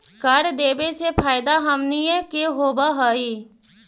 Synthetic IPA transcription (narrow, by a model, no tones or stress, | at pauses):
kəɾd̪eːbet͡ʃʰepʰaːɪd̪aɦəmniẽkeɦoːbaɦəi